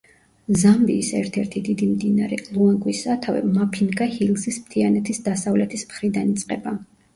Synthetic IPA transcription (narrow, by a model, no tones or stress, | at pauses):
zambiːsɛɾt̪ʰɛɾt̪ʰid̪id̪imd̪inaɾɛlˠuaŋɡwisat̪ʰavɛ̰mapʰinɡahilsismt̪ʰianɛt̪ʰisd̪asavlɛt̪ʰismχɾid̪anit̪sʼqʼɛba